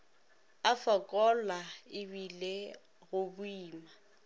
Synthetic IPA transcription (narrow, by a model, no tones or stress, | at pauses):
afɔkʼɔlaɪβile | ɣʊbʊiːma